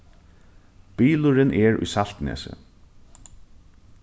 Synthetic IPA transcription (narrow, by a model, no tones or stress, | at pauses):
b̥iːlʊɾɪnʔɛɹʊ̰jsal̥t̪nɛ̰ːsə̰